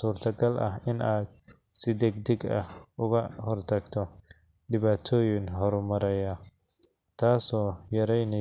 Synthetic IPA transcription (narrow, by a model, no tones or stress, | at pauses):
suːrt̪ʰɐɡɐlʔɐ̰ɦɪnaːd̪̚ | sɪd̪ɛɡd̪ɪɡɐ̰hʊɣɐhɔrt̪ʰɐɡt̪ʰɔ | ɖɪβaːt̪ʰɔːjɪŋɦɔɾmɐɾɛja | t̪ʰaːsɔːjɐɾɛjnɪ